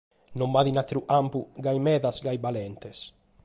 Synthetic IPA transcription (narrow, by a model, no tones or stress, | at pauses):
nombaðinat̪ɾuʔampuɡajmɛðasɡajbalɛnt̪es